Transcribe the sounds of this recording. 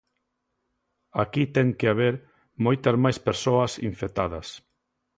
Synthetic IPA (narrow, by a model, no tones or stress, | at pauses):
akit̪ɛŋkeaβ̞eɾ | mojt̪ɐzmajspeɾsoɐsḭɱfet̪aðɐs